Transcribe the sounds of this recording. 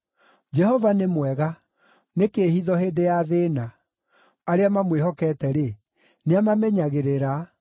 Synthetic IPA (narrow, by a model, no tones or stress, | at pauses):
d͡ʒɛhɔvanemwɛɣa | nekeːhiðɔɦeːdejaðena | aɾeamamweɦɔkɛːtɛɾe | neamamɛɲaɣeɾeɾa